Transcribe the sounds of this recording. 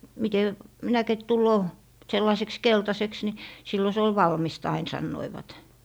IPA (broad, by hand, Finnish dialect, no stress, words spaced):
mite minækit tulːoː selːɑĭseks keltɑseks ni silːo se ol ʋɑlmist ɑin sɑnːoiʋɑt